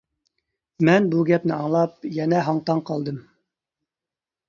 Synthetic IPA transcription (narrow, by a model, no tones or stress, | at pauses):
mɛnbuɡʲɛpnɪɑŋlˠɑp̚jɛnɛɦɑɴt̪ɑŋqʰɑlˠd̪ɨm